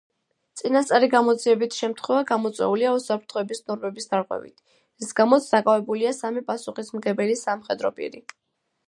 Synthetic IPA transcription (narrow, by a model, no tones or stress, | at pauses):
t̪sʼinast̪sʼaɾiɡamɔd̪ziɛbit̪ʰʃɛmt̪ʰχwɛvaɡamɔt̪sʼwɛ̰uliausapʰɾt̪ʰχɔɛbisnɔɾmɛbisd̪aɾqʼwɛ̰vḭt̪ʰ | ɛsɡamɔt̪sʰd̪akʼavɛbuliasamipʼasuχismɡɛbɛlisamχɛd̪ɾɔpʼḭɾi